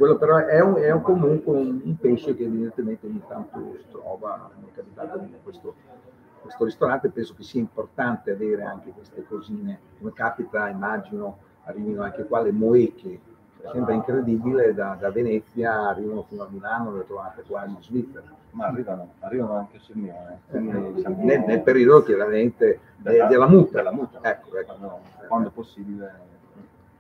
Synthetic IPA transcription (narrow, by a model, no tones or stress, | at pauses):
kwelːopeɾɔɛuɛukomuŋkweunumpeʃekeːvid̪ent̪ement̪eɲit̪ant̪o̰st̪ɾɔːva̰finekapit̪at̪od̪ikwest̪o | kwest̪oɾist̪oɾant̪epɛnsok̟esiaimport̪ant̪eaveːɾea̰ŋk̟ekwest̪ekoziːnekomekaːpit̪aimːad͡ʒino | arːiːvinoaŋkekwalemoeke | ɛsɛmpɾeiŋkɾed̪ibiled̪ad̪avenɛt̪sjaːrːiːvanofinoamilaːnovelet̪ɾovaːt̪ekwainnzvit̪sːeɾa | marːiːvanoarːiːvanoaŋkeasime | nenelpeɾiod̪okjaɾament̪e | d̪ed̪elːamut̪ːalamut̪ːaɛkːoɛkːono | wand̪oɛposːiːbile